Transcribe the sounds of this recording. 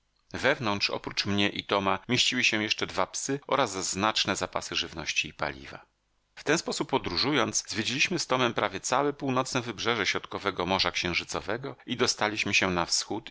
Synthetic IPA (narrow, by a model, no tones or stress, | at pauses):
vɛvnɔntʂɔ̰pɾut͡ʂmɲɛʔit̪ɔmamʲjeɕt͡ɕiwɘɕɛ̃jɛʂt͡ʂɛd̪vapsɘʔɔɾazːznat͡ʂnɛzapa̰sɘʐɘvnɔɕt͡ɕiːpa̰lʲḭva̰ | ft̪ɛnspɔsupːɔd̪ɾuʐujɔnd̪szvʲjed͡ʑelʲiɕmɘst̪ɔmɛmpɾavʲjɛt̪sawɛpuwnɔt̪snɛvɘbʐɛʐɛɕɾɔt̪kɔvɛɡɔmɔʐakɕɛ̃w̃ʐɘt̪sɔvɛɡɔid̪ɔst̪alʲiɕmɘɕɛnafsxut̪